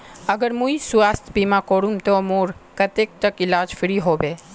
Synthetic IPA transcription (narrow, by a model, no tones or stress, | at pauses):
əɡəɾmũisʊaːst̪ʰbimãkoːɽumt̪omoːɾkət̪ek̚t̪əkɪlaːd͡ʒfʰɪɾiɦoːbe